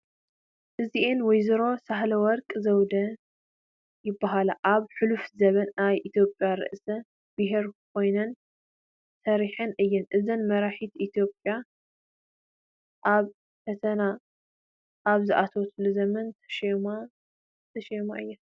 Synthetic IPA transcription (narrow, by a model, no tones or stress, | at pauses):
ʔɨziʔenwɔjzɨɾo̞saɦlɐwɔɾkʼzɐwd̪ɐ | jɪbːaɦalaʔaβħɨlufzɐβɐnajʔit̪ʰjo̞pʼjaɾɨ̰ʔsɐ | b̥ɨɦeɾkʰo̞jnɐn | sɐɾiħɨnʔɨjːɨnʔɨzɨnmɐɾaħit̪ʔit̪ʰjopʼja | ʔaβ | fɐt̪ʰɐna | ʔaβzɨʔat̪ʰɐwsɨlɐzɐmɐnt̪ʰɐ̥ʃma | t̪ʰɐʃɐjmaʔɨjːa